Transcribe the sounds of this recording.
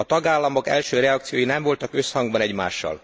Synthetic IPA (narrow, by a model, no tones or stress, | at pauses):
ɒt̪ɒɡaːlːɒmo̞kɛ̰lʃøːɾɛɒkt̪sijoːjinɛɱvo̞lt̪ɒkø̞shɒŋɡbɒnɛɟma̰ːʃːɒ̰l